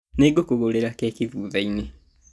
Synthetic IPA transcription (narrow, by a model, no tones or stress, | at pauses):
neɡokoɣoleɾakeːkiðuːðaine